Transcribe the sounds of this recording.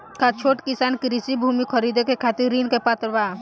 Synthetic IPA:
kat͡ʃʰoːʈkisaːnkiɾisibʱuːmikʰəɾid̪ekekʰat̪iɾɾːinkepat̪ɾʋaː

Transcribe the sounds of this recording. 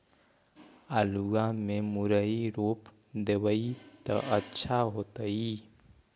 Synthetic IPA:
aːluɡamẽmuɾəiɾoːp | d̪ewəit̪ə̰ʔətːʃʰaɦoːt̪əi

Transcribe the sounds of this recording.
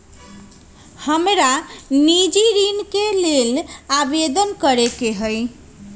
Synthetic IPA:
həmɾanid͡ʒiɾinkelelabed̪ənkəɾekeɦəj

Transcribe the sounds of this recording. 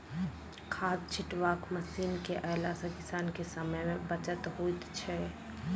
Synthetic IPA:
kʰaːst͡ʃʰɪʈʋaːkməsiːnkeʔəɦlasə̃kɪsaːnkesəməjmẽbət͡ʃət̪ɦoit̪t͡ʃʰɛ

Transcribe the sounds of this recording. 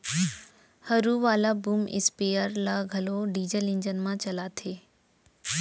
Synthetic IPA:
hɐɾuʋaːlabuːmɪ̰speːəɾlaɡʱɐloɖiːd͡ʑəlɪ̃ɲd͡ʑən̆mãt͡ɕɐlat̪ʰeː

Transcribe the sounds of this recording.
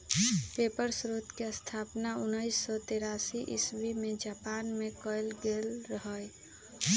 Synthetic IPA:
pepəɾsɾot̪kest̪ʰaːpnaʊnːəɪsːɔt̪eːɾaːsiʔɪ̰sbimẽd͡ʒaːpaːnmẽkəɪlɡelɾəɦəj

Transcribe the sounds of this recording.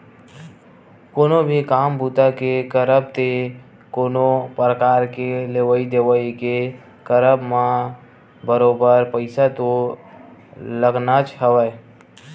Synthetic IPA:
koːnobʱikaːmbʱuːt̪akekəɾəb̚t̪e | koːnopɾəkaːɾkeleʋəid̪eːwəike | kəɾəbmã | bəɾoːbəɾpəɪsat̪o | ləɡnat͡ʃɦəʋə

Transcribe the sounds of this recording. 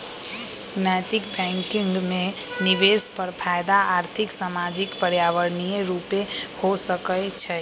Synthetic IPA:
najt̪ɪkbɛ̃ŋkɪŋɡmẽ | niʋespəɾpʰajd̪aaːɾt̪ʰɪksamad͡ʒikpəɾjaʋəɾnijeɾupehosəkət͡ʃʰɛ

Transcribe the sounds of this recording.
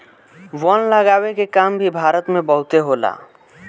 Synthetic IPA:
ʋɔnlaɡawekekambʱibʱaɾot̪mebɔɦut̪eɦola̰

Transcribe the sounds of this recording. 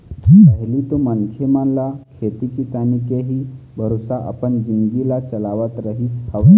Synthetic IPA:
ɦipəɦlit̪omənkʰemanlakʰet̪ikisanikeɦiːbʱəɾosaʔa̰pəɳd͡ʑinɡilat͡ɕəlaʋət̪ɾəɦiːshəʋ

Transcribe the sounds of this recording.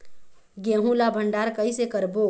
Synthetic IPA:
ɡẽɦũlabʱəɳɖaɾkəisekəɾbo

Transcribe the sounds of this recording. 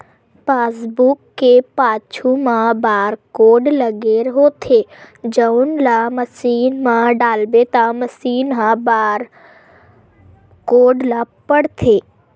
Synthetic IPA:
paːsbukːepaːt͡ʃʰumãbaːɾkoːɖləɡeːɾɦoːt̪ʰed͡ʒənlaməsiːnmãɖaːlbet̪ãməsiːnɦãbaɾ | koːɖlapəɽt̪ʰeː

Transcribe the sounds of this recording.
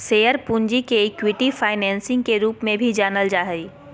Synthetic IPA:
seːjəɾpũːɲd͡ʒikeɪkwɪʈifʰaːɪnɛ̃ːnsɪ̃ŋɡkeɾuːpmẽbʱid͡ʒaːnəld͡ʒaːɦəiː

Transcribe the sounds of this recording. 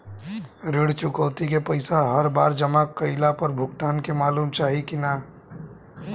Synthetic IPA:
ɾɪɽt͡ʃʊkəʊt̪ikepɐɪsaɦɐɾbaːɾd͡ʒɐmakːɐɪlapɐɾbʱʊɡt̪aːnkemaːluːmt͡ʃaːɦikinaː

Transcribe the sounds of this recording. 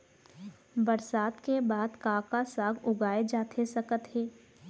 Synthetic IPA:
bəɾsaːt̪kebaːd̪kãːkasaːɡʊɡaːed͡ʒaːt̪ʰesɐkət̪ɦeː

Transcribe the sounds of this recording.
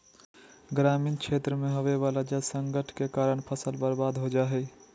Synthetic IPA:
ɡɾaːmiːnkʰʃʰeːt̪ɾəmẽɦoʋeʋaːlad͡ʒəsə̃ŋɡəʈʰkekaːɾəɳpʰəsəlbəɾbaːd̪ɦod͡ʒaːɦɛ

